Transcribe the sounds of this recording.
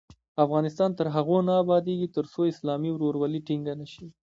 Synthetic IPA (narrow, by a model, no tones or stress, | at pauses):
afɣɑnɪst̪ɑnt̪əɾɦaɣonaːbɑd̪eɡit̪əɾsoɪslɑmiwɾoɾwaliʈiŋɡanaʃi